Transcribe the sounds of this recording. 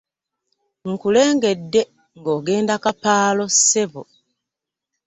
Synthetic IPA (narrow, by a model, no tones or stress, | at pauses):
ŋ̩kule̞ːŋɡe̞dːe̞ | ŋɡo̞ːɡe̞ːndakapaːlo̞seβo